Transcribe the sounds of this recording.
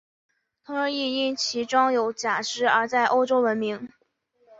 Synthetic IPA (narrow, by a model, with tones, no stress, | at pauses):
t̪ʰʊ˧˥ŋɻə˧˥i˥˧i˥˩ŋt͡ɕʰi˧˥ʈ͡ʂɑ˥ŋjo˨˧˩ʊt͡ɕja˨˩ʂɻ̩˥˩ə˞˧˥t͡sa˥˩ɪʔo˥ʊʈ͡ʂo˥ʊwə˧˥nmi˧˥ŋ